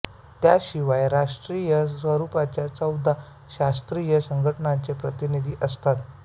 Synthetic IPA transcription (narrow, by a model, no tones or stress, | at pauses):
t̪jaɕiʋajɾaʂʈɾijəsʋəɾupat͡ɕjat͡səwd̪ʱa | ɕast̪ɾijəsəŋɡʱəʈəɳant͡sepɾət̪inid̪ʱiːʔəst̪at̪